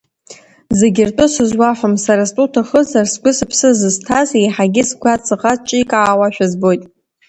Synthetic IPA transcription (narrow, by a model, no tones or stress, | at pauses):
zeɡʲɪrtʼʊsɨzwaħʷamsaɾastʼutʰaχəzarsɡʷʊsɨpʰsɨzɨztʰazijħaɡʲɪskʷʰat͡sʼɨqʼat͡ʃʼikʼaːwaʃᶣazbo̞jtʼ